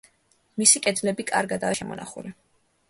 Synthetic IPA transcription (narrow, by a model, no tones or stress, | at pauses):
misikʼɛd̪lɛbikʼaɾɡad̪aːʃɛmɔ̰naχṵli